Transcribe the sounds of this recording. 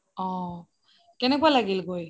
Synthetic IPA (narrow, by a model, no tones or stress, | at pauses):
ɔ̃ | kɛnɛkwalaɡilɡoj